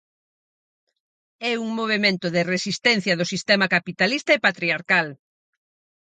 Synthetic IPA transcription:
ɛuŋmoβ̞emẽnt̪ʊðɪresist̪ɛn̟θjɐðʊsist̪ɛmɐkapit̪alist̪ɐepat̪ɾiaɾkal

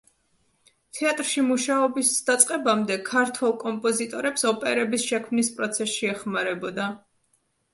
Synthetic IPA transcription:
t̪ʰɛat̪ʼɾʃimuʃaɔbisd̪̥at̪sʼqʼɛbamd̪ɛkʰaɾt̪ʰwɛlˠkʼɔmpʼɔzit̪ʼɔɾɛpsɔpʼɛɾɛbisʃɛkʰmnispʼɾɔt̪sʰɛsʃiɛχmaɾɛbɔd̪a

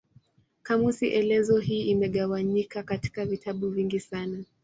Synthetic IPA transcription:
kamusiʔɛlɛzɔɦiːimɛɠawaɲikakati̥kavitʰaɓuviŋɡisana

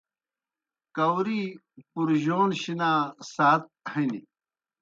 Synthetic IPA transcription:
kɐwɾi | puɾʑoːnɕinaːsaːt̪̚hinḭ

